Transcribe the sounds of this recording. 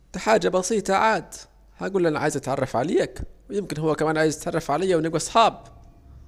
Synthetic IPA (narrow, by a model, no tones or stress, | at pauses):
t̪aħaːd͡ʒabɑsiːt̪ˤɑʕaːd̪ | haɡuːlːʔanaʕaːjzʔat̪ʕɑ̰rˤːɑfʕaleːakwɪjɪmkɪnɦʊwːakamaːnʕaːjɪzat̪ʕɑrˤːɑfʕalajːawnɪɡuʔɑsˤħɑːb̚